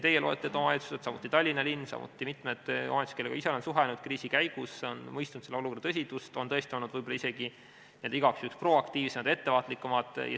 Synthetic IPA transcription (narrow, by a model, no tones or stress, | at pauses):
t̪e̞jːeloːḛt̪ːˑet̪omɑet̪su̥set̪sɑmut̪ːˑit̪ɑlʲːinɑlinːsɑ̰mʔṵt̪ːˑimit̪ˑmed̪̥o̰met̪stkeleɡɑiseonsuɦenud̪̥̚kriːsikæjɡ̥usːeo̞nmɤjst̪unut̪seleo̞luko̞rd̥̪ɑt̪ɤs̬ʲit̪ust̪o̞nt̪ɤest̪io̞lnːud̪vɤjbolɑise̞ɡ̥i | nield̪ɑiɡɑksyhkspro̞ɑkt̪iːvsemɑd̪e̞t̪ːe̞vɑːt̪ˑlikːˑumɑd̪ˑjɑ